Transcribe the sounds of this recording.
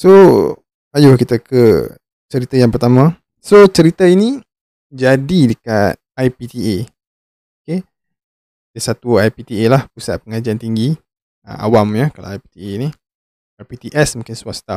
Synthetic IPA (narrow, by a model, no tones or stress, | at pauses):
so | ajukit̪akə | t͡ʃəɾit̪ajaŋpərt̪amã | sot͡ʃəɾit̪aini | d͡ʒadidəka̰t̪̚ajpit̪ie | oke | dəsat̪uajpit̪ielahpusa̰ʔ̪̚pəŋad͡ʒiant̪iŋɡi | ə̰a̰wamjəkala̰wajpi̥t̪ieni | ajpit̪iʔɛsmũŋkɪnswast̪af